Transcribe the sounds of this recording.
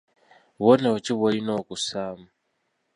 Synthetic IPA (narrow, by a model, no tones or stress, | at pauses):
βɔnaɔt͡ʃiβɔinɔkusama